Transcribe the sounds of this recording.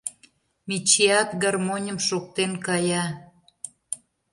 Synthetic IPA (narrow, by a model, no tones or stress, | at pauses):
mʲit͡ɕeɑt̪ɡɑrmonʲəmʃok̚t̪enkɑjɑ